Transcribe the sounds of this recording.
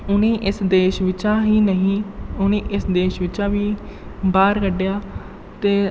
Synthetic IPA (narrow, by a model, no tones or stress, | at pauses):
ʊnĩːʔɪsd̪eːʃʋɪt͡ʃãːɦiːnəɦĩːʊnĩːʔɪsd̪eːʃʋɪt͡ʃãːʋiːbaːɾkəɖjaː | t̪eː